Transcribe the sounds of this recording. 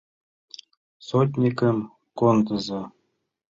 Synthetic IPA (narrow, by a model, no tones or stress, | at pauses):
sot̪̬ʲnʲikɘm | kond̪ɤ̆zɤ